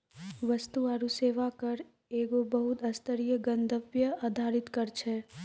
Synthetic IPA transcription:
ʋɐst̪uaːɾuseːʋakɐɾ | eːɡobəɦʊt̪ɐst̪əɾijəɡɐ̃nd̪ʱəbjəaːd̪ʱaːɾɪt̪kɐɾt͡ʃʰɛː

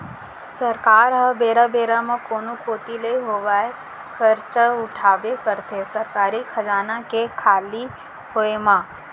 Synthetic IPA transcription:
sɐɾkaːɾɦəbeːɾabeːɾamãkoːnokʰoːt̪ileiɦoːʋaːe | xʰɐɾt͡ʃʊʈʰaːʋekəɾt̪esɐɾkaːɾikʰɐd͡ʒaːnakekʰaːli | ɦoːemãː

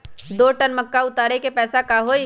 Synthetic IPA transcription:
d̪oːʈənmɐkːaʊt̪aːɾekepɛːsakaɦoːi

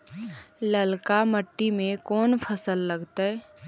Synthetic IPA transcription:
ləlkaməʈːimẽkɔːnpʰəsəlːəɡt̪aɛ

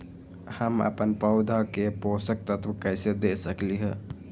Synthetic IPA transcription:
həmə̰pənpəʊd̪ʱəkeposək̚t̪ət̪ʰʋəkəjsed̪esəkliɦə

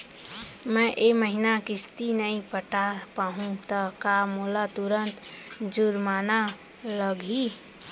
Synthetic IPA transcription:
mə̃ʔeməɦinakist̪inəipəʈapaɦũt̪əkamolat̪uɾənt̪d͡ʒuɾmana | ləɡʱi

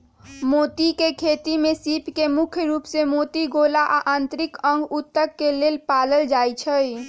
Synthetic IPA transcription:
moːt̪ikekʰeːt̪imẽsiːpʰkemʊkʰjəɾuːpsemoːt̪iɡoːlaʔa̰ʔãːnt̪ɾɪkə̃ŋɡʊt̪ːəkːeleːlpaːləld͡ʒaːjt͡ʃʰəj

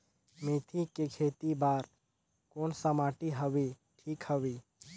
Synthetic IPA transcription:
met̪ʰikekʰeːt̪ibaːɾ | koːnsəmaːʈiɦəwi | ʈʰiːkhəwiː

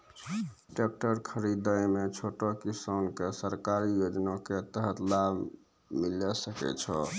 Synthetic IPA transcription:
ʈek̚ʈəɾkʰəɾid̪əjmet͡ʃʰoʈɔkisankesəɾkaɾijod͡ʒnaket̪əɦət̪lab | milɛsəkɛ̰t͡ʃʰɔ

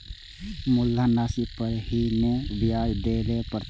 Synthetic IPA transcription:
mʊlːanaːsipəɾhinebjaːjd̪eːɾepəɾ

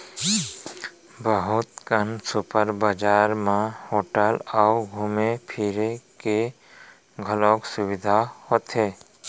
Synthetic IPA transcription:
bəɦʊt̪kənsʊpəɾbəd͡ʒaːɾmãhoːʈəlɔʊɡʱumepʰiːɾeke | ɡʱəloːksʊwɪd̪ʱahoːt̪ɦeː

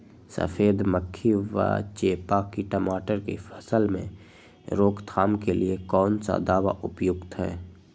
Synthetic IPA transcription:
sə̰fʰeːd̪məkʰːiʋə̰t͡ʃeːpakiʈəmaːʈəɾkefʰəsəlmḛ̃ | ɾoːkt̪ʰaːmkeliekɔːnsa̰d̪aːʋa̰ʔʊpjʊɡt̪ɦɛ̰ː

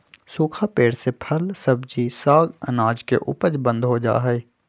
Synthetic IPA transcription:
suːkʰapeːɽsepʰəlsɐbd͡ʒisaːɡə̰naːd͡ʒkḛʔʊ̰pəd͡ʒbə̃nd̪ɦod͡ʒa̰ːɦɛeː

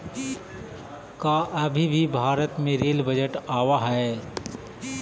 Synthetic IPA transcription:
kaʔɐbʱibʱibʱaːɾət̪mẽɾeːlbəd͡ʒəʈaːwaɦɛe

